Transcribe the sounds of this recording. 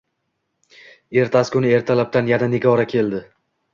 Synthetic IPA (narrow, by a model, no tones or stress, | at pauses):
e̞ɾt̪ʰaskʰʊnɪe̞ɾt̪ʰalap̚t̪anjananeɡʲɒɾakʲʰe̞ld̪ɪ